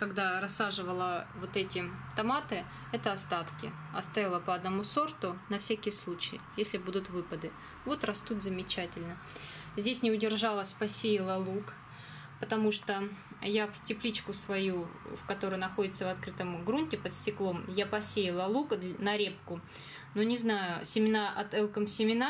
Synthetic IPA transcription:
kɐɡd̪aɾɐsːaʐɨvəlˠəvo̞t̪ɛtʲɪt̪ɐmat̪ɨ | ɛt̪əɐst̪at̪kʲɪ̰ | ɐst̪ajʲɪlˠəpəɐd̪nɐmuso̞rt̪ʊnɐfsʲækʲɪjəslˠut͡ɕɪjɪjesʲlʲɪbud̪ʊt̪vɨpəd̪ɨ | vo̞t̪rɐst̪ut̪zəmʲɪt͡ɕætʲɪlʲnə | zʲdʲesʲnʲɪʊdʲɪrʐalˠəsʲpɐsʲejɪlˠəlˠuk | pət̪ɐmuʂt̪ojafʲtʲɪplʲit͡ɕkʊsvɐjufkɐt̪o̞ɾəjnɐxo̞dʲɪt̪səvɐt̪kɾɨt̪əmɡɾunʲtʲɪpət̪sʲtʲɪklˠo̞mjapɐsʲejɪlˠəlˠuk̪nɐɾʲep̚kʊ | nonʲɪznajʊsʲɪmʲɪnaʔɐt̪ɛlˠkəmsʲɪmʲɪna

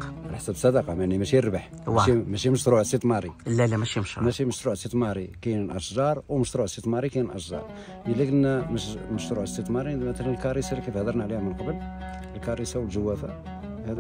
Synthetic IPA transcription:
alħsæbsˤːɑd̪ɑqɑmæʕnimæʃijəɾˤbəħ | amæʃiməʃt̪ɾuʕst̪ːit̪ˤmɑɾˤilːælːæmæʃimʃɾmmæʃiməʃt̪ɾuʕsit̪ˤmɑɾˤikæjnnʔɑʃʒɑɾˤwməʃt̪ɾuʕst̪ːit̪ˤmɑɾˤikæjnʔɑʃʒɑ̰ɾˤ | əlːikənːæməʃməʃt̪ɾuʕəst̪ːit̪ˤmɑɾimæt̪ælænəlkɑɾˤisælikifhd̪əɾˤnaʕlihæmənqɑbəl | əlkɑɾˤisæwəlʒəwːæfæ̰ | hæd̪

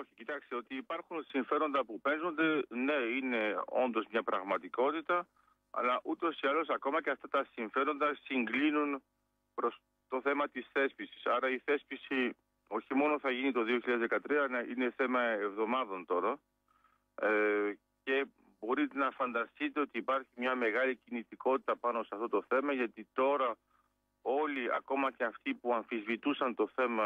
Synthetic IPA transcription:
o̞çicit̪ɐkst̪eo̞t̪iːpɐɾxunsiɱfe̞ɾo̞nd̪ɐpupe̞nzo̞nd̪e̞ne̞ine̞o̞̰nd̪o̞zmɲɐpɾɐɣmɐt̪iko̞t̪it̪ɐ | ɐ̰lɐʔut̪o̞siɐlo̞sɐko̞mɐceɐft̪ɐt̪ɐsiɱfe̞ɾo̞nd̪ɐsiŋɡlinun | pɾo̞s | t̪o̞θe̞mɐt̪isθe̞spisi̥sɐɾɐiθe̞spisi | o̞çimo̞no̞θɐʝinit̪o̞ðio̞çiʎɐðezðekɐt̪ɾiɐɐine̞θe̞mɐevðo̞mɐðo̞nt̪o̞ɾɐ | ce̞ | bo̞ɾit̪e̞nɐfɐnd̪ɐst̪it̪e̞o̞t̪iːpɐɾçimɲɐmeɣɐlicinit̪iko̞t̪i̥t̪ɐpɐno̞seɐft̪o̞t̪o̞θe̞mɐʝɐt̪it̪o̞ɾɐ | o̞liɐ̰ko̞mɐceɐft̪ipuɐɱfizvit̪usɐnt̪o̞θe̞mɐ

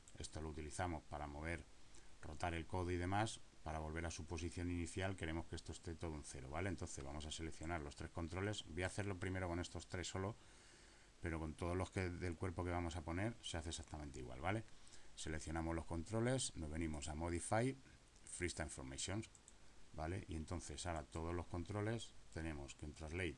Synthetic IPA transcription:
e̞st̪o̞lo̞ut̪iliθamo̞spaɾamo̞β̞e̞ɾro̞t̪aɾe̞lko̞ðoiðe̞maspaɾaβo̞lβ̞e̞ɾasupo̞s̬iθjo̞niniθjalke̞ɾe̞mo̞skee̞st̪ost̪e̞t̪o̞ð̞ounθe̞ɾo̰βale̞nt̪o̞nθe̞zβamo̞sase̞le̞kθjo̞naɾlo̞st̪ɾe̞hko̞nt̪ɾo̞le̞sbojaθe̞ɾlo̞pɾime̞ɾo̞ko̞ne̞st̪o̞st̪ɾe̞sːo̞lo̞ | pe̞ɾo̞ko̞nt̪o̞ð̞o̞zlo̞skeðe̞lkwe̞ɾpo̞keβamo̞sapo̞ne̞ɾse̞aθesak̚t̪amẽnt̪eḭɣwa̰lβale̞se̞le̞kθjo̞namo̞zlo̞hko̞nt̪ɾo̞le̞sno̞zβe̞nĩmo̞samo̞ð̞ifaj | fɾist̪aĩɱfoɾmejsjo̞ns | bale̞̰ʔie̞nt̪o̞n̟θe̞saɾat̪o̞ð̞olo̞hko̞nt̪ɾo̞le̞st̪e̞nẽ̞mo̞skeunt̪ɾazlej

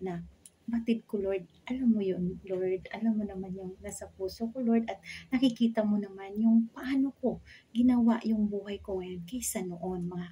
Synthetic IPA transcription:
nɐ | bɐt̪ɪd̪̚koloɹd̪̚ʔɐlamːojonloɹd̪ɐlamːonɐmanjʊŋnasɐpuːsokoloɹd̪ɐt̪̚nɐkɪkiːt̪ɐmonɐmanjʊŋpɐʔaːnoko̞ɡɪnɐwaʔjʊŋbuːhɐjkoŋɐjo̞nkɐjsɐnoʔo̞nmɐŋa

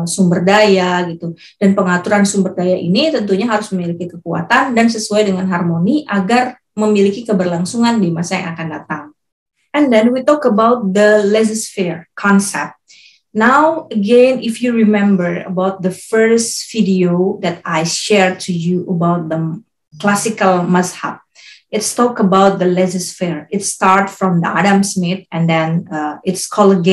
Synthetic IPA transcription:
sumbərdajaɡit̪u | d̥anpəŋat̪uɾansumbərdajaʔḭnit̪ənt̪uɲaɦaɾʊsməmilikikəkua̰t̪andansəsuajdəŋanɦarmoniʔaɡar | məmilikikəbərlaŋsuŋandimasaja̰ŋakandat̪aŋ | ɛ̃ndɛnwit̪ɔkəbawt̪̚d̪əlɛzəsfiɹkʰɔnsɛ̰p̚t̪̚ | nawəɡẽnifjuɹimɛ̃mbəɹə̰bawt̪̚d̪əfəɹsvidiod̪ɛtajʃɛɹd̚tʰujuʔəbawt̚d̪ə | klasikəlmasha̰p̚ | ɪtstɔkəbawt̪̚d̪əlɛzəsfɛɹɪtstaɹtfɹɔ̃mdəa̰dãmsmɪt̪̚ɛ̃ndɛ̃nəɪtskʰɔləɡẽ

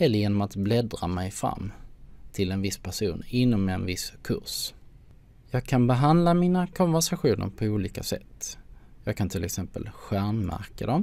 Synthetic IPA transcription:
hɛlːəjeːnɔmat̪blɛd̪ɾa̰mɛjfɾa̰mːt̪ʰɪlɛnvɪspʰæʂuːnɪnːɔmɛnvɪskʰɵ̰ʂ | jɑːɡ̚kʰanbɛɦand̪lamiːnakʰɔnvæʂaɧuːnʔə̰ɾpʰɔuːliːkasɛ̰t̪ːjɑːɡ̚kʰant̪ʰɪlɛ̰ksɛmpə̰lɧæɾmmæ̰ɾkad̪ɔm

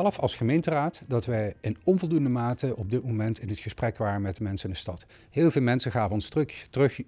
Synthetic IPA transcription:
ɛləfɑlˠsχəmejntəraːtdɑtʋɛjɪnɔmvɔlˠdundəmaːtəɔb̚dɪt̚momɛntɪnɦətχəsprɛkʋaːrənmɛt̚dəmɛnsənɪndəstɑt | ɦɪːlˠvɪːlˠmɛnsəχaːvəɔnsttərɵχ

